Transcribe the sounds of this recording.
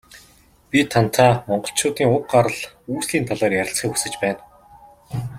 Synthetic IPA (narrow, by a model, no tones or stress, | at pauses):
pʲit̪ʰan̥t̪ʰaːmɔɴɢɞ̆ɬt͡ɕʰʊːt̪iːŋʊq̚ɢaɾə̆ɮ | uːsiːnt̪ʰaɮaːrjaɾʲɪ̆ɬt͡sχiːkxusɘ̆t͡ɕpæːn